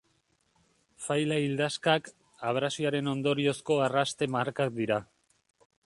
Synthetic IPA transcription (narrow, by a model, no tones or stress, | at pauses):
fajlaild̪askak | aβ̞ɾasiaɾe̞no̞nd̪o̞ɾio̞sko̞arast̪e̞maɾkak̚d̪iɾa